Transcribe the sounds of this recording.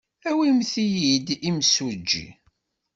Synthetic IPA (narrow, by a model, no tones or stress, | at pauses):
æwimθijid̪imsud͡ʒːḭ